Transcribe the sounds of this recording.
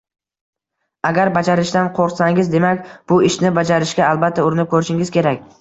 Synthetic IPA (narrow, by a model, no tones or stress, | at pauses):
aɡʲaɾbad͡ʒaɾɪʃt̪anqʰoɾqsaŋɪzd̪e̞makʲb̥ʊɪʃnɪbad͡ʒaɾɪʃɡʲaːlˠbat̪ʰːaʊɾɪnɪp̚kʰʲɵɾɪʃɪŋɪzkʲe̞ɾakʲ